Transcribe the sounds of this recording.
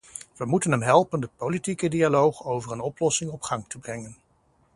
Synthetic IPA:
ʋəmutənɦɛmɦɛlˠpəndəpolitikədialowχowvərənɔplɔsɪŋɔpχɑŋtəbrɛŋən

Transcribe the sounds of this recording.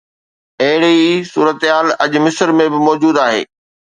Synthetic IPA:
ɐɦɪɽisuːɾət̪ɦaːlɐʄmɪsəɾmẽbɪmɔːd͡ʑuːd̪aːɦḛː

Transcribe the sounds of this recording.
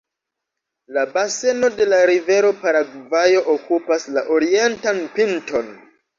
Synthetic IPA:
labase̞no̞de̞laɾive̞ɾo̞paɾaɡvajo̞ʔokupaslaʔoɾie̞ntanpinto̞n

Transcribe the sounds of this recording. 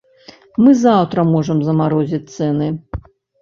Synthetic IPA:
mɨzawt̪ɾɐmɔʐɐmzɐmaɾɔzʲit͡s̚ʲt̪sɛnɨ

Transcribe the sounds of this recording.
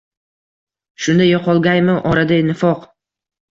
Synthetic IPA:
ʃʊnd̪ajɒqʰɒlˠɡʲajmɪʔɒɾad̪aɪnɪfɒq

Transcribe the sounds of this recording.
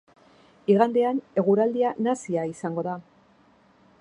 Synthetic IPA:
iɣ̞and̪e̞ane̞ɣuɾald̪ianasiaisaŋɡo̞ða

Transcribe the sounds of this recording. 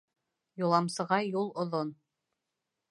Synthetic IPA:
julˠɑmsɤ̆ʁɑjulˠŏðon

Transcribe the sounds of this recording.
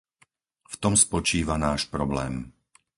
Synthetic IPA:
ft̪ɔmspɔt͡ʃiːʋanaːʃpɾɔblɛːm

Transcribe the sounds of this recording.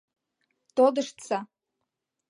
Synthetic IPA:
t̪od̪ɨʂt͡sʰa

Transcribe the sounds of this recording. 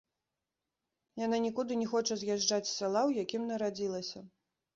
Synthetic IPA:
jananʲikud̪ɨnʲɛxɔt͡ʂɐzʲjaʐd͡ʐat͡sʲsʲalˠawjakʲimnɐɾad͡zʲilˠɐsʲɐ

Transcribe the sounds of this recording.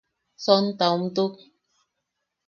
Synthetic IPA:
sɔnt̪awm̩t̪uk̚

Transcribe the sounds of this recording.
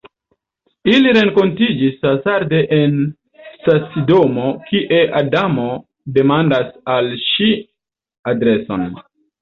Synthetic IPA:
iliɾe̞ŋko̞ntid͡ʒisasaɾde̞ʔen | sasido̞mo̞kʰiʔe̞ʔadamo̞ | de̞mandasalʃi | adɾe̞so̞̰n

